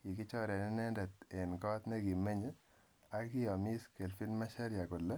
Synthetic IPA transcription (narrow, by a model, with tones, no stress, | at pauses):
ki˨kɪ˦t͡ʃɔ˦ɾɛ˨nɪ˦nɛ˦ndɛ˨t̪e˨nkɔ˦t̪nɛ˦ɡi˨mːɛ˦ɲɛ˦ | a˦ɡɪ˦ɔ˨mi˦ske˨lfi˦nma˦ʃa˦ɾja˨kʊ˨lːɛ˦